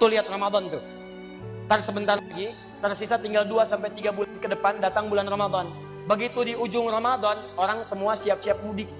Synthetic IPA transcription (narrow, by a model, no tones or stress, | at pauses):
t̪uliɦat̪̚ramad̪ɔnt̪u | t̪ərsəbənt̪arlaɡi | t̪ərsisat̪iŋɡalduasampajt̪iɡabulankədəpandat̪aŋbulanramad̪ɔn | bəɡit̪udiud͡ʒʊŋramad̪ɔnoɾaŋsəmuasiap̚siap̚mudɪk̚